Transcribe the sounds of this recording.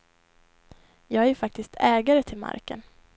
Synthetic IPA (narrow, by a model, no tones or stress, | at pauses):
jɑːɡæɾfak̚t̪ɪst̪ʰɛːɡaɾət̪ʰɪlma̰ɾkə̰n